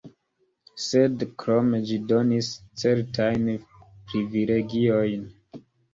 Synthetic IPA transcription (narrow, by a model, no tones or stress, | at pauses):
sedkɾomd͡ʒido̞nist͡se̞ɾtʰajnpɾivileɡio̞jn